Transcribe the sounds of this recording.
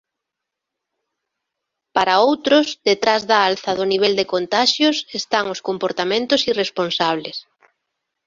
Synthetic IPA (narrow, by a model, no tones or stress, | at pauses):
paɾaowt̪ɾʊzðet̪ɾazðaalθɐðʊniβ̞ɛld̪ekont̪aʃjʊsest̪aŋʊskompoɾt̪amẽnt̪ʊsiresponsaβles